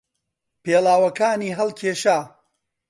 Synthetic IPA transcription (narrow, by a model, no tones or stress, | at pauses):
peːlaːwɐkaːniːɦɐlˠkʰeːʃaː